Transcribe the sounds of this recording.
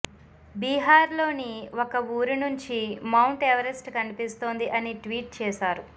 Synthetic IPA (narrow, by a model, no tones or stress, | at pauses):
biːɦaːɾlo̞ːniokɐuːɾinuɲt͡ʃimɐwɳʈeʋɐɾesʈkɐnipist̪oːnd̪iʔɐniʈʋiːʈ̚t͡ʃɛːsaːɾu